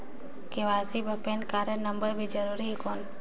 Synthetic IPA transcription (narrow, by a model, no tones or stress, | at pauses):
keʋaːsibʱəpenkaːɾənəmbəɾbʱid͡ʒəɾuːɾiɦkoːn